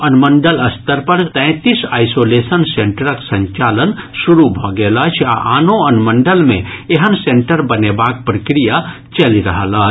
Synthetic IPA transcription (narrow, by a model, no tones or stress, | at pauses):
ənməɳɖələst̪əɾpəɾt̪ɛ̃t̪isaːjsolesənsẽɳʈəɾəksə̃ɲt͡ʃaːlənsuɾubʱɔɡelət͡ʃʰa̰ʔanoənməɳɖəlmḛ̃eɦənseɳʈəɾbənebak̚pɾəkɾija | t͡ʃəliɾəɦələɦt͡ʃ